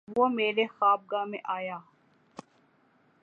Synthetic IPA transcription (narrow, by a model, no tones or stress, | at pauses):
ʋoːmeːɾexaːb̚ɡaːmḛ̃ʔaːjaː